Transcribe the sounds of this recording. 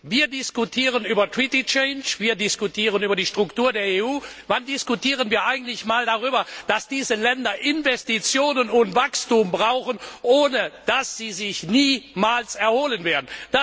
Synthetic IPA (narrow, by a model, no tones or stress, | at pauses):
viːɐdɪskutʰiːʁ̞ənyːbɐtʰʁ̥itit͡ʃɛɪnʃviːɐdɪskutʰiːʁ̞ənyːbɐdiːʃtʁ̥ʊktuːɐdeːɐeːuːvandɪskutiːʁ̞ənviːɐʔaɪɡŋ̩tlɪçmaːldaʁ̞yːbɐd̥asd̥iːzəlɛndɐʔɪnvɛstit͡sjoːnənʊntv̥akstumbʁaʊxənʔoːnəd̥asz̥iːzɪçniːmaːlsɛɐhoːlənveːɐdn̩d̥a